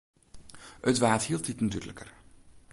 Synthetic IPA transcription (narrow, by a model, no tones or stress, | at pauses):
ətʋaːthilˠtdɪtnatydələ̰kə̰r